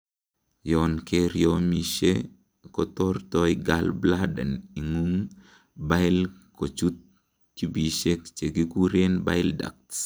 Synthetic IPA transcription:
jɔ˨nke˦ɾjɔ˦mi˨ʃe˦ | kɔ˨t̪ɔ˦rtɔ˦iɡa˦lbla˦dɛ̰˨ni˨ŋu˦ŋ | ba˦ɪlko˨t͡ʃu˦t̪̚ | ki˦bi˨ʃe˦kt͡ʃe˨ɡi˦ku˦ɾe˦nba̰˦ɪ˦lda̰˨k̚t

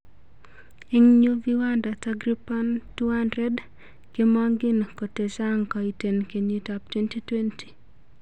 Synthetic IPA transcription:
i˦ŋɲu˦viwanda˨taɡɾipa˦ntu˦anɾɛ˦d | ke˦maŋɡɪ˦nko˨te˨saŋka˨i˨te˨nke˨nitap̚twe˦nti˦twe˦nti̥˨

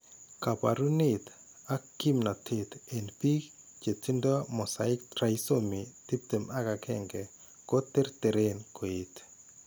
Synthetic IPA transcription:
ka˨pa̰˨ɾu˦nit̪ | a˦kːi˦mna˨tʰɪ˦t̪e˨npi˦k | t͡ʃe˨t͡si˦ndɔ˦mɔ˨sa˨ɪ˦k̚tɾa˨jsomi˨ti˦p̚te˨ma˦ka˨kʰɛ̰ŋɡɛ˨ | ko˦te˦ɾte˨ɾenkʰo˨it

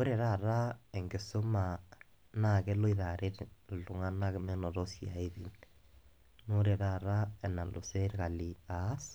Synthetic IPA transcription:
o˦ɾɛ˨ɾa˦˨ɾa˦ɛ˨ŋɡe˨so˦ma˨ | na˦˨kɛ˦lo˦i˨ða˨ɾe˦tlo˨ŋa˦na˦kmɛ˦nɔ˨ɾɔ˦sia̰˨e˦ði˨n | no˦ɾe˨ɾa˦˨ɾa˦ɛ˨na˨lo̰˨sɛ˦ɾka˨li˨a˨˦s

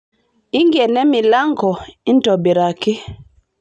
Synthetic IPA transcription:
i˦ŋɡe˨nɛ˦mi˨la˦ŋkɔ˨i˦ntɔ˨bi˨ɾa˨ki˦

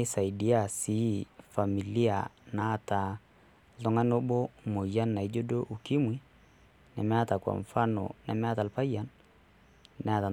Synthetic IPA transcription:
ɪ˦sa˨di˦a˦˨si˨˦fa˨mi˨li˦a̰˨na˨˦ta˨ | lɔ˦ŋa˦no˦bo˦mo˨ja˦nːa˨i˦d͡ʒo˦do˦ʔu˨ki˦mwi˦ | na̰˨mɛ˦a˦ta˨kwa̰˨ɱ˨fa˦nɔ̰˨na̰˨mɛ˦a˦ta˨lpa˦ja˦n | nɛ˨˦a˦ta˨

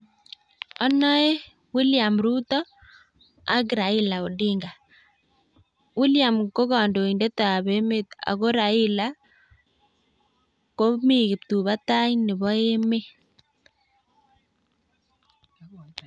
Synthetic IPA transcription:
ɔ˦nɔ˦e˦ | wi˦lja˨mɾuː˦t̪ɔ˦ | a˦ɣɾa˨ɪ˦la˨o˨ɗi˦ŋɡa˨ | wi˦lja˨mko˦ɣɔ˨ndo˨inde˦ta˨a˨βe˦me˦ta̰˨ɣo˦ɾa˨ɪ˦la | ko˦miɣe˨p̚tu˨βa˦ta˦inɪ˨βɔ˦e˦me˦

